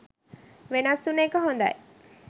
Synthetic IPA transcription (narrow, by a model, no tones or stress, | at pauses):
ʋenɐsːuneːkəɦond̪ɐ̰e